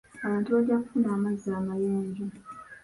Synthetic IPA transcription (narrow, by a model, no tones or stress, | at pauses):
aβaːntuβaɾɟakufunaːmazːaːmajeːɲɟo